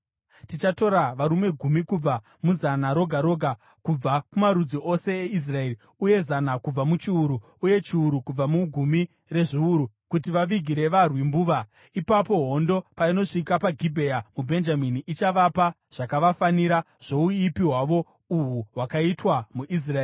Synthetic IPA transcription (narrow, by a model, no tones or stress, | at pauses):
tit͡ʃato̞ɾaʋaɾume̞ɡʱumikub͡va | muzanaɾo̞ɡʱaɾo̞ɡʱa | kub͡vakumaɾud͡ziʔose̞ːis̬rae̞ri | uje̞zanakub͡vamut͡ʃiuɾu | uje̞t͡ʃiuɾukub͡vamuɡʱumi | re̞ʐiuɾu | kutiʋaʋiɡʱiɾe̞ʋarwimbuːʋa | ipapo̞ɦo̞ndo̞paino̞ʂikapaɡʱibʱe̞jamubʱe̞nd͡ʒaminiʔit͡ʃaʋapa | ʐ̥akaʋafaniɾa | ʐ̥o̞uipiɦwaʋo̞ | uɦuɦwakaitwamuʔis̬raeːi